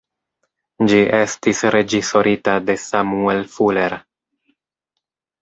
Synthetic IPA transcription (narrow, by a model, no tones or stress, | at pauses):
d͡ʒiʔe̞stisɾe̞d͡ʒiso̞ɾʔitade̞samuelfule̞ɾ